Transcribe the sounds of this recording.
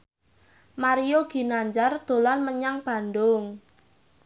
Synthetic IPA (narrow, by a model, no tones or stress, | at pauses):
maɾijoɡ̥i̤naɲd͡ʒard̪̥o̤lanməɲaŋb̥a̤nd̪ʊŋ